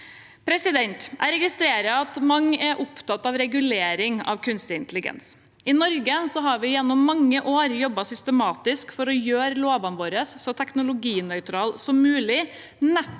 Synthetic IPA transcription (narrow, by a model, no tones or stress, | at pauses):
pʰɾɛsɪd̪ɛnt̪ʔæ̰ɾɛɡɪst̪ɾeːɾəɑt̪mɑŋæɾʔʊpt̪ɑt̪ːɑʋɾɛɡʉleːɾɪŋɑ̰ʋkʰʉnst̪ɪɪnt̪əlɪɡɛ̰ns | ɪnɔɾɡəsɔɦɑɾʋɪjɛnːɔmːɑŋːəʔoːɾjɔbːɑsʏst̪əmɑːt̪ɪskfɔɾɔjøːɾəloːʋɑnʋoːɾəsːɔt̪ʰɛknʊlʊɡiːnœʏt̪ʰɾɑːlsɔmːʉːlɪ | nɛt̪